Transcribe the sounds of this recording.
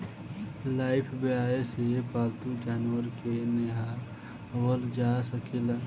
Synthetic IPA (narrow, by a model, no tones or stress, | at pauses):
laːɪpʰbeaːesepaːlt̪ũd͡ʒaːnwəɾkeneɦa | wəld͡ʒaːsəkela